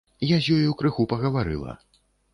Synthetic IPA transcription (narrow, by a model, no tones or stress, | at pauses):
jazʲjɔjiwkɾɨxupɐɣɐvaɾɨ̰lˠɐ̰